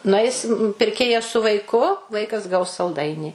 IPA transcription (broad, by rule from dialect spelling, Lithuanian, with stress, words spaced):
nʊˈɐɪsʲɪm pʲɪrʲˈkʲeːjɛs sʊ ʋɐɪˈkʊ ˈʋɐɪkɐs ɡɐʊs sɐlˠˈdɐɪnʲiː